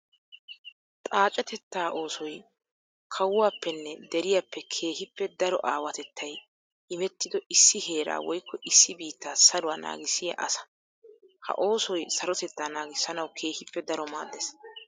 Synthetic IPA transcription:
t̪ʼaːt͡ʃʼɛt̪ɛt̪ːaːʔo̞ːsɔj | kʰɐwʊwaːpːɛnːɛd̪ɛɾɪjapːɛkʰe̞ːhɪpːɛd̪ɐɾɔ̰ʔaːwɐt̪ɛt̪ːɐj | ɪmɛt̪ːɪd̪ɔʔɪsːɪhe̞ːɾa̰ːwɔjkːɔʔɪsːɪbiːt̪ːaːsɐlʊwaːna̰ːɡɪsɪjɐ̰ʔɐsɐ̥ | hɐ̰ʔo̞ːsɔjsɐɾɔt̪ɛt̪ːaːnaːɡɪsːɐnɐwkʰe̞ːhɪpːɛd̪ɐɾɔma̰ːd̪ːeːs

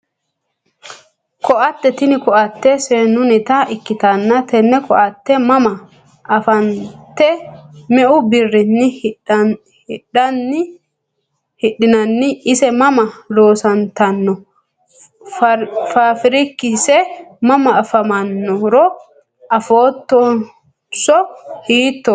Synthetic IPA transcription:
kʰɔʔɐt̪ːɛt̪ɪnɪkɔʔɐt̪ːɛsenʊnɪt̪ɐʔɪkːɪt̪ɐnːɐt̪ɛnːɛkʰɔʔɐt̪ːɛmɐmɐ | ɐfɐnt̪ːɛmɛʔʊbɪrːɪnːɪ | hɪɗɐnːɪ | hɪᶑɪnɐnːɪɪsɛmɐmɐlo̞ːsɐnt̪ɐnːɔ | faːfɪɾɪkːɪsɛmɐmɐːfɐmɐnːɔɾɔ | ɐfoːt̪ːɔ | sɔhiːt̪ːɔ

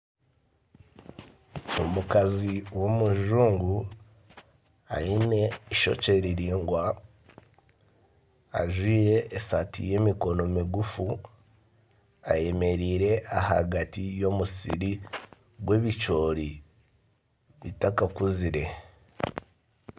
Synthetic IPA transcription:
omukaziwo̞muʒuːŋɡu | a̰ine̞iʃo̞̰ce̞ɾiɾiːŋɡwa | a̰ʒwiːɾe̞ːsatḭje̞ːmiko̞no̞miɡufu | a̰je̞me̞ɾiːɾe̞ʔaha̰ɡatijo̞musḭɾi | ɡwe̞ːβit͡ʃo̞ːɾi | βitakakuziɾe̞

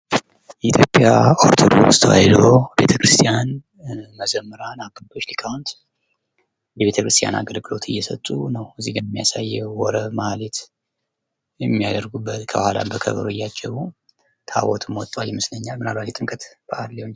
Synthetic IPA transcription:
jɛit̪ʰjo̞pʼjaoɾt̪ʰod̪o̰kst̪ʰəwa̰jlobe̞t̪ʰəkɾɨst̪ʰijan | məd͡ʒəmːɨɾanaɡɨld̪ʰo̞t͡ʃːlikʰawnt̪ | jɛβe̞t̪ʰəkʰɾɨst̪ʰja̰na̰ɡəlɡɨlo̞t̪ʰɨjːɛsət̪ʼːunəwɨzːihɡɨnmːijasajːɛwɔɾəmalet̪ | jɛmːijad̪əɾɡubːət̪kʰəbəhala̰bəkʰə̰βəɾoɪjːat͡ʃʼːɛβu | t̪ʰa̰wɔt̪ʰɨmwɔt̪ʼwaljɛmɨsləɲːalmɨnalbatjɛt̪ʼɨŋkʼət̪b̥əʔalːewn

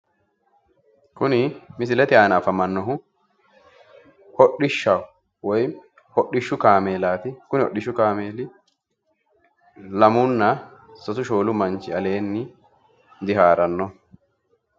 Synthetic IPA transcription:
kʊnɪmɪs̬ɪlɛt̪ɪaːnafɐmɐnːɔɦʊ | hɔɗɪʃːaw | wɔj | hɔɗːɪʃːʊkaːmeːlaːt̪ɪkʊnɪɔ̰ɗɪʃːʊkaːmeːlɪ | lɐmʊnːɐsɔsʊʃoːlʊmɐnt͡ʃːɪɐle̞ːnːɪ | d̪ɪɦaːɾɐnːɔ

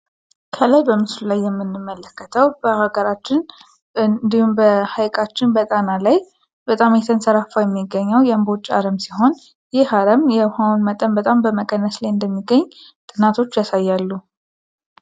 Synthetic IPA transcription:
kʰəlajbəmɨslulajːɛmːɨnːɨmːələkʰːət̪ʰəwbəhaɡəɾat͡ʃːɪn | nd̪ihumbəhajkʼat͡ʃːɪnbət̪ʼanalaj | b̥ət̪ʼamjɛt̪ʰənsəɾafajɛmːiɡːəɲːəwjɛmbo̞t͡ʃʼːa̰ɾəmsiɦo̞n | jɪhaɾəmjɛhaunmət̪ʼənbət̪ʼambəməkʼənːəslajɨnd̪əmːiɡːəɲːt̪ʼɨnat̪ʰo̞t͡ʃːjasajːalːu

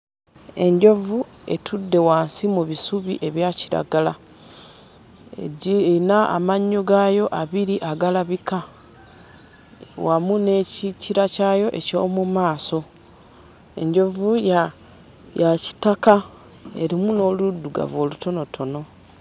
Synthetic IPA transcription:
e̞ɲɟo̞vue̞̰tʰudːe̞waːnsimuβisuβḭʔe̞βjaciɾa̰ɡala | naa̰maɲːoɡajo̞ʔaβiɾiʔaɡalaβika | wamune̞ciciɾacajo̞ʔe̞co̞̰ːmumaːso̞ | e̞̰ɲɟo̞vuj | jaci̥taka | e̞̰ɾimuno̞ludːuɡa̰vo̞ːluto̞no̞tʰo̞no̞

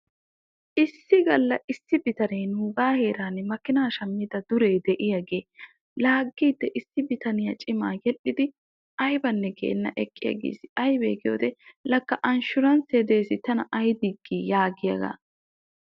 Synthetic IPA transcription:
ʔɪsːɪɡɐlːɐʔɪsːɪbɪt̪ɐneːnuːɡaːhe̞ːɾaːnːɛmɐkːɪnɐːʃɐmːid̪ɐd̪ʊɾe̞ːd̪ɛʔɪjɐɡeː | laːɡːiːd̪ːɛʔɪsːɪbɪt̪ɐnɪjɐt͡ʃʼɪmaːjɛʔɪd̪ɪ | ʔɐjbɐnːɛɡḛːnːɐʔɛkʼːɪjɐ̰ɡḛːsɪʔɐjbeːɡɪjoːd̪ɛlɐkːɐʔɐnʃʊɾɐnsed̪e̞ːsɪt̪ɐnɐʔɐjd̪ɪɡːiːjaːɡɪjɐ̰ɡɐ̰

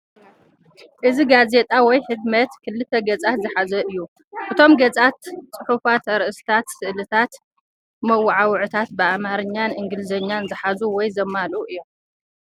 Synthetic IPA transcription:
ʔɨziɡaze̞t̪ʼawɔjħɨdmɐt̪kʰɨlːɨt̪ʰːɐɡɐt͡sʼat̪zɨħazɐʔɨjːu | ʔɨt̪ʰo̞mɡɐt͡sʼat̪t͡sʼɨħufat̪ɐɾʔɨst̪ʰat̪sɨʔlɨt̪ʰat̪ | mɐwːʊʕawʕut̪ʰat̪bɨamaɾɨɲːanʔɨŋɡɨlɨzɐɲːanzɨħazuwɔjzɐmːaluɨjːo̞m

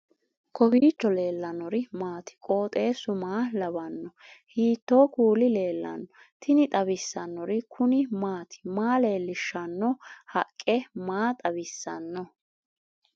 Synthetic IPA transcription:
kʰɔbiːt͡ʃːɔle̞ːlːɐnɔɾɪmaːt̪ɪ̥kʼo̞ːt̪ʼe̞ːsʊmaːlɐbɐnːɔhiːt̪ːoːkuːlɪle̞ːlːɐ̰nːɔ | t̪ʰɪnɪt̪ʼɐbɪsːɐnːɔɾɪkʰʊnɪmaːt̪ʰɪ̥maːle̞ːlːɪʃːɐnːɔhɐkʼːɛmaːt̪ʼɐbɪsːɐnːɔ

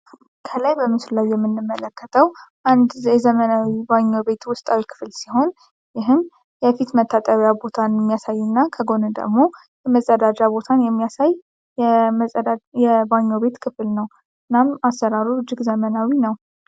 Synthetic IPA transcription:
kʰəlajbəmɨsllajːɛmːɨnːɨmːələkʰːət̪ʰəwʔand̪jɛzəmənawibaɲːo̞be̞t̪wʊst̪ʼawikʰɨ̥flsiɦo̞n | jɪɦɨm | jɛfit̪mət̪ʰːat̪ʼəβjabo̞t̪ʰanjɛmːijasajːunːakʰəɡo̞nɨd̪ə̰ɡmo̞ | jɛməzʼəd̪ad͡ʒabo̞t̪ʰanjɛmːijasaj | ɛməəajɛbaɲːo̞be̞t̪kʰɨflnəw | ɨnːamasːəɾaɾuɨd͡ʒɪɡzəmənawinəw

